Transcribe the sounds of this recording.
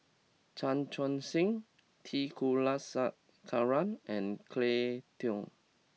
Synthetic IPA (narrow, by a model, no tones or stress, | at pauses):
t͡ʃãnt͡ʃɔ̃nsĩŋ | tʰikʰulasaʔ̚ | kʰaɹãnɛ̃nkʰletʰi